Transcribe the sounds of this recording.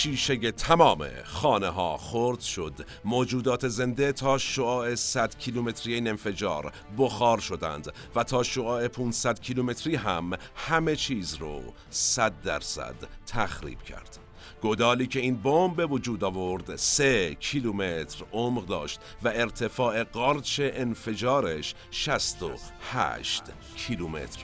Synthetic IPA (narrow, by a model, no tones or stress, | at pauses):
ʃiːʃeje̞t̪ʰæmɒːmḛxɒːneɦɒ̰ːxoɾd̪ʃo̞d̪ | moːd͡ʒuːd̪ɒːt̪ʰe̞ze̞nd̪e̞t̪ʰɒːʃoɒːe̞sæd̪̥cʰilume̞t̪ʰɾijeiːne̞nfe̞d͡ʒɒ̰ːɾ | boxɒːɾʃo̞d̪æ̰nd̪ | væt̪ʰɒːʃoɑːepʰuːnsæd̪cʰilume̞t̪ʰɾiːɦæm | hæme̞t͡ʃʰiːzɾo̰ | sæd̪ːæ̰ɾsæ̰d̪̥t̪ʰːæxɾḭːb̥cʰæ̰ɾd̪̥ | ɡ̥od̪ɒːliːcʰe̞iːnbombbe̞vod͡ʒuːd̪ɒːvo̞ɾd̪secʰilumet̪ʰɾomʁd̪ɒ̰ːʃt̪væe̞ɾt̪ʰe̞fɒːʔe̞ɡɒːɾt͡ʃʰe̞ʔenfe̞d͡ʒɒːɾeʃ | ʃæst̪o̰hæ̰ʃt̪ | cʰilumḛt̪ʰɾ̥